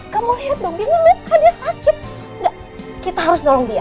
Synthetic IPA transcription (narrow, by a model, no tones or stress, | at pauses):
kamuliɦat̪̚bəŋɡinilukadiasakɪt̪̚ | da | kit̪aɦaɾʊsnolɔŋdia